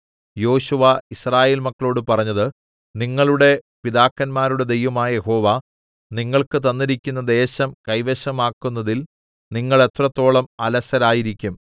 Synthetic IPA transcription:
jo̞ːɕuʋɐisraːje̞ːlmɐkːɐɭo̞ːɽɨpɐrɐɲːɐðɨ | niŋːɐɭuɽe̞ | piðaːkːɐnmaːɾuɽe̞d̪e̞jʋɐmaːjɐjeho̞ːʋa | niŋːɐɭkɨt̪ɐnːiɾikʲːunːɐd̪e̞ːɕɐmkɐjʋeɕɐmaːkːunːɐðil | niŋːɐɭe̞t̪rɐt̪ːo̞ːɭɐmɐlɐsɐɾaːjiɾikʲːum

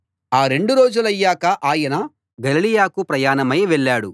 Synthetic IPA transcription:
aːɾe̞ɳɖuɾo̞ːd͡ʒulɐjːaːkɐʔaːjɐnɐ | ɡɐlilijaːkupɾɐjaːnɐmɐjʋeɭːaːɽu

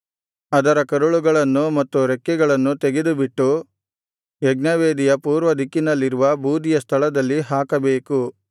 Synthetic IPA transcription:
ɐd̪ɐɾɐkɐɾuɭuɡɐɭɐnːumɐt̪ːuɾekːɛɡɐɭɐnːut̪eɡed̪ubiʈːu | jɛɡnɐʋeːd̪ijɐpuːɾʋɐd̪ʱikːinɐlːiɾuʋɐbʱuːd̪ijɐst̪ʰɐɭɐd̪ɐlːiɦaːkɐbeːku

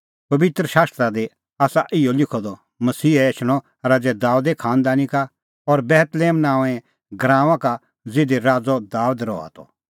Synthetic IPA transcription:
pɐbɪt̪ɾəʃaːst̪ɾad̪e | aːsaʔɪolɪkʰɔd̪ɔ | mɐsiːɛːt͡ʃʰɽ̃ɔ | ɾaːd͡zɛd̪aːud̪ɛkʰaːnd̪aːnika | ɔɾbɛːt̪leːmnãːɛ̃ | ɡɾãːʋãka | d͡zɪd̪eɾaːd͡zɔd̪aːd̪ɾɔ̰a̰t̪ɔ̰

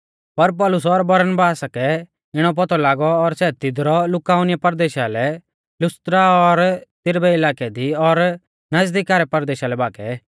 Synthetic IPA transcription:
pɐɾp̬ɔːlʊs̬ɔɾbɐɾənbaːsakɛ | ɪɽ̃ɔp̬ɔt̪ɔlaːɡɔːɾsɛːt̪ɪd̪ɾɔlʊkaːʊnɪjapɐɾd̪eːʃalɛ | lʊst̪ɾaɔɾt̪ɪɾbɛɪlaːkɛd̪iɔɾ | nɐzd̪ikaːɾɛpɐɾd̪eːʃalɛbaːkɛ̰

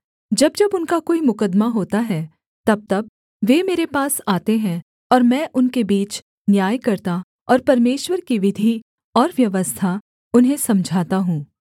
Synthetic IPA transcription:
d͡ʒɐbd͡ʒɐbʊnkakoːimʊkəd̪maɦoːt̪aɦɛ | t̪ɐb̚t̪ɐb̚ | ʋeːmeːɾepaːsaːt̪eɦɛ̃ | ɔːɾmɛ̃ːʔʊnkebiːt͡ʃ | njaːjkɐɾt̪a | ɔːɾpɐɾmeːʃwəɾkiʋɪd̪ʱi | ɔːɾʋjɐʋəst̪ʰa | ʊnɦẽsɐmd͡ʒʱaːt̪aɦũː

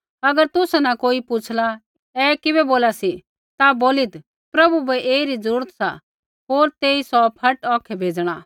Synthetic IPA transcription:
ɐɡəɾt̪ʊsɛnakoːipʊt͡ʃʰla | ɛkɪbɛboːlasi | t̪aboːlit̪ | pɾɐbubɛʔeːiɾid͡zɐɾuːɾət̪sa̰ | ɦoːɾt̪eːisɔpʰɐʈɔːkʰɛbʱeːd͡zɽ̃a

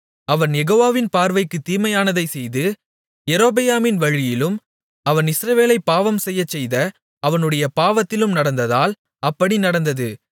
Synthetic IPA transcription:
ɐʋɐnjɛɣoːʋaːʋɪnpaːɾʋɐɪkːɯt̪ːiːmɐjaːnɐðɐɪsɛjðɯ | jɛɾoːbɐjaːmɪnʋɐɻɪjɪlɯm | ɐʋɐnɪsɾɐʋeːlɐɪpːaːʋɐmsɛjːɐt͡ʃːɛjðɐ | ɐʋɐnɯɽɐjɐpaːʋɐt̪ːɪlɯmnɐɽɐnd̪ɐðaːl | ɐpːɐɽinɐɽɐnd̪ɐðɯ

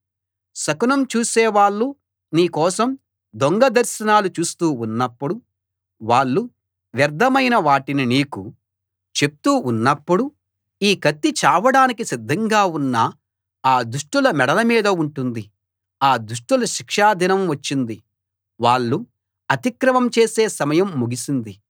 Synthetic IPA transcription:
sɐkunɐmt͡ʃuːsɛːʋaːɭːu | niːkɔːsɐm | d̪oŋɡɐd̪ɐɾʃɐnaːlut͡ʃuːst̪uːunːɐpːuɽu | ʋaːɭːu | ʋjɐɾd̪ʱɐmɐjnɐʋaːʈininiːku | t͡ʃe̞p̚t̪uːnːɐpːuɽu | iːkɐt̪ːit͡ʃaːʋɐɽaːnikisid̪ʱːɐŋɡaːunːɐ | aːd̪uʂʈulɐmɛɽɐlɐmiːd̪ɐuɳʈund̪i | aːd̪uʂʈulɐʃikʂaːd̪ʱinɐmʋɐt͡ʃːind̪i | ʋaːɭːu | ɐt̪ikɾɐmɐmt͡ʃe̞ːse̞ːsɐmɐjɐmːuɡisind̪i

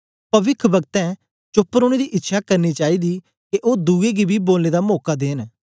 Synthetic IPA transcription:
pɐʋɪkʰbɐɡ̚t̪ɛ̃ː | t͡ʃopːɾoːɽ̃ed̪iʔɪtːʃʰakəɾniːt͡ʃaːid̪iː | keʔoːd̪uːeɡibʱiboːlneːd̪amoːkad̪eːn

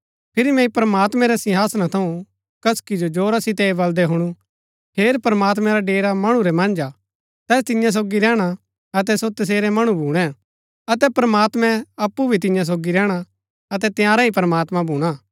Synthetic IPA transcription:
pʰɪɾimɛ̃ĩpɾəmaːt̪mɛ̃ɾɛsɪɦaːsnat̪ʰɐũ | kɐskid͡ʒod͡ʒoːɾasɪt̪ɛibɐld̪ɛɦʊɽ̃u | pʰeːɾpɾəmaːt̪mɛ̃ɾaɖeːɾamɐɽ̃ũɾɛmɐ̃nd͡ʒa | t̪ɛːs̬t̪ɪjãs̬oːɡiɾɛːɽ̃a | ɐt̪ɛsot̪ɐs̬eːɾɛmɐɽ̃ũbʱuːɽ̃ɛ̃ | ɐt̪ɛpɾɐmaːt̪mɛ̃ɐpːubʱit̪̬ɪ̃jãs̬oːɡiɾɛːɽ̃a | ɐt̪ɛt̪ɪjaːɾaipɾəmaːt̪mãbʱuːɽ̃aː

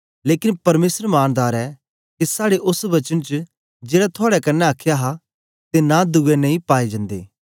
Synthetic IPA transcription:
leːkɪnpɐɾmeːsəɾmaːnd̪aːɾɛ | kisaːɽeʔʊsʋɐt͡ʃənt͡ʃ | d͡ʒeːɽat̪ʰʊaːɽɛkɐnːɛaːkʰːjaɦa | t̪enad̪uːɛnẽĩpaːid͡ʒɐ̃nd̪ḛː

